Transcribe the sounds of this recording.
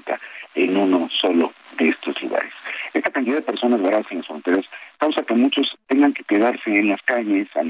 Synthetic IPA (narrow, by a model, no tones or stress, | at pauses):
t̪a̰enuno̞so̞lo̞ðeest̪o̞zlṵɣa̰ɾese̞st̪akant̪iðaðepe̞ɾso̞nazβaɾaðasenlasfɾont̪eɾaskawsake̞mut͡ʃo̞st̪e̞ŋɡaŋke̞ke̞ðaɾse̞ːnlaskaɲe̞sa̰